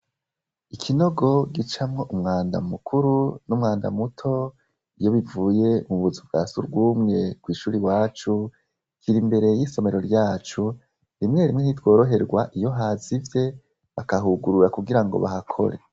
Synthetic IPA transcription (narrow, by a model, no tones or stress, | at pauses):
ikʰino̞ɡo̞ɡit͡ʃamŋo̞ʔumŋaːnda̰mukʰuɾunumŋaːnda̰mutʰo̞ | ijo̞βivuːje̞muβuzubɡaːsuɾɡwuːmŋe̞kwiːʃuːɾiwaːt͡ʃu | kʰiɾimbe̞ɾe̞jiːso̞me̞ɾo̞ɾɟaːt͡ʃu | ɾimŋeɾimŋe̞nitwo̞ːɾo̞ɦe̞ɾɡwaʔijo̞ɦaːzivje̞ | βakaɦuɡuɾuɾakuɡiɾaŋɡo̞̰βahakʰo̞̰ɾe̞̰